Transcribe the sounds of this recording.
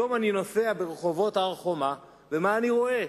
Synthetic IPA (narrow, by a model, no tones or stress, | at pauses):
omanino̞feabeʁeχo̞vo̞taʁχo̞ma | vemaːniʁo̞e